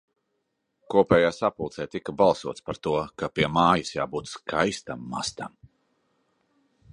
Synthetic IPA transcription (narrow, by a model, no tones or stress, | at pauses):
kuɔpɛːjaːsapulˠt̪sɛːjt̪ikːabalˠsuɔt̪spaɾt̪uɔkapiɛmaːjasjaːbuːt̪sskʰajst̪amːa̰st̪am